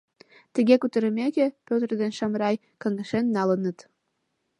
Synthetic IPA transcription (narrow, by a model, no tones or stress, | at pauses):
t̪ə̆ɣʲekut̪ə̆ɾə̆mekʲepʲøt̪rd̪enʃɑmɾɑj | kɑŋə̆ʃenːɑlənə̆t̪